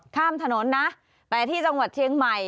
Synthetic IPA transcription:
kʰaː˥˩mt̪ʰa˧no˩˦nːa˦˥ʔ | t̪ɛː˨˩t̪ʰiː˥˩t͡ɕa˧ŋwa˨˩t̪̚t͡ɕʰi˧əŋma˨˩j

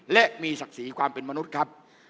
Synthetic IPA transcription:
lɛ˦˥ʔmiː˧sa˨˩k̚siː˩˦kʰwaː˧mpe˧nma˧nu˦˥t̪̚kʰɾa˦˥p̚

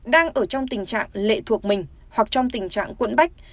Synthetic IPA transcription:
ɗaː˧ŋʔəː˧˩t͡ɕɔ˧wŋ͡mt̪ï˨˩ŋ̟t͡ɕa̰ː˧˨ŋlḛ˧˨t̪ʰu˨˩ək̚mï˨˩ŋ̟ | hwa˨˩k̚t͡ɕɔ˧wŋ͡mt̪ï˨˩ŋ̟t͡ɕa̰ː˧˨ŋkwə̰˧˥nɓa˦˥jk̟̚

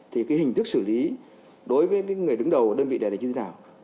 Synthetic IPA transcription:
t̪ʰi˨˩kaː˨˦jhï˨˩ŋ̟t̪ʰɨ˦˥k̚sɨ˧˩li˨˦ | ɗo˨˦jvəː˨˦jkaː˨˦jŋɨ˨˩əjɗɨ˨˦ŋɗə˨˩wkːɗəː˧nvḭ˧˨ɗa˨˩˨aː˨˩ɲɨ˧˨˦naː˨˩w

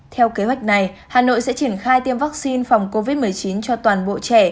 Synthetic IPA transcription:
t̪ʰɛ˧wke˨˦ɦwa˨˩jk̟̚na˨˩j | haː˨˩no̰˧˨jsɛ̰˧˥t͡ɕi˧˩ənxaː˧jt̪i˧əmvaː˦˥k̚si˧nfa˨˩wŋ͡mko˧vi˦˥t̚mɨ˨˩əjt͡ɕi˨˦nt͡ɕɔ˧t̪waː˨˩nɓo̰˧˨t͡ɕɛ˧˩

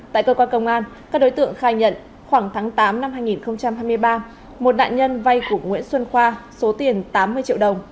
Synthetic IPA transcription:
t̪a̰ː˧˨jkəː˧kwaː˧nkə˧wŋ͡mʔaː˧nkaː˦˥k̚ɗo˨˦jt̪ɨ̰˧˨əŋxaː˧˩jɲə̰˧˨n | xwaː˧˩ŋt̪ʰaː˨˦ŋt̪aː˨˦mna˧mhaː˧jŋi˨˩nxə˧wŋ͡mt͡ɕa˧mhɦaː˧jmɨ˧əjɓaː˧ | mo˨˩t̚ɗa̰ː˧˨nɲə˧nva˧jku˧˩əŋwḭ˧˥ənswə˧nxwaː˧so˨˦t̪i˨˩ənt̪aː˨˦mːɨ˧ət͡ɕḭ˧˨wɗə˨˩wŋ͡m

